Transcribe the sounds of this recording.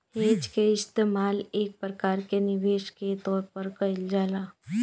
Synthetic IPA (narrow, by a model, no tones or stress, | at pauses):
heːd͡ʒkeɪst̪eːmaːleːk̚pɾəkaːɾkenɪʋeːʃket̪ɔːɾpəɾkɐɪld͡ʒaːlaː